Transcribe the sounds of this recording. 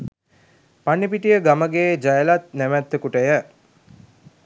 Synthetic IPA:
panːipiʈijəɡaməɡeːd͡ʒajəlat̪̚næʋæt̪ːəkuʈəjə

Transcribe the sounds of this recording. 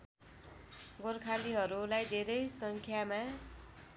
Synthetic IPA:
ɡorkʰaliɦʌɾulajd̪ʱeɾʌjsʌŋkʰjama

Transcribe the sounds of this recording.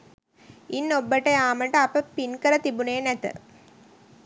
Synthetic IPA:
inːobːəʈəjaːməʈəapəpinkəɾət̪ibuneːnæt̪ə̰

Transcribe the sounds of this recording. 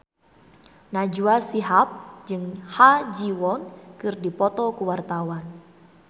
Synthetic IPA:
nad͡ʒuasiɦap̚d͡ʒɨŋhad͡ʒiwɔnkɨrdipɔt̪ɔkuwart̪awan

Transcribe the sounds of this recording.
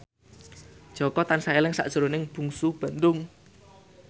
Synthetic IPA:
d̥ʒ̥ɔ̤kɔt̪ansaelɪŋsa̰ʔd̥ʒ̥ə̤ɾonɪŋb̥ṳŋsub̥ə̤nd̪ʊŋ

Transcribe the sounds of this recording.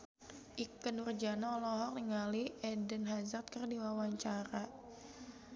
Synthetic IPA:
ʔikənurd͡ʒanaɔlɔɦɔk̚niŋaliɛdənɦazat̪̚kərdiwawaɲt͡ʃaɾa

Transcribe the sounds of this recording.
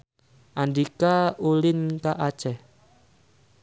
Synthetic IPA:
ʔandikaulɪnkaʔḁt͡ʃɛ

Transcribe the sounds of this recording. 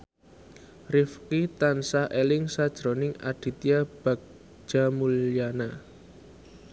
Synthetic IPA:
rɪfkit̪ansaʔelɪŋsad̥ʒ̥ɾonɪŋa̰ɖ̥i̤t̪iab̥a̤k̚ | ʒ̥amuljana

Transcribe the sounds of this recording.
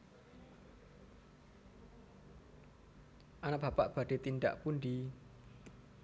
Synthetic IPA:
ʔanab̥a̤paʔb̥a̤ɖ̥e̤t̪inda̰ʔpundi

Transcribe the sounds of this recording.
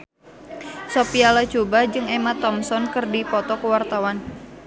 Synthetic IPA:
sopialat͡ʃobad͡ʒɨŋɛmat̪ɔmsɔnkɨrdipɔt̪ɔkəwart̪awan

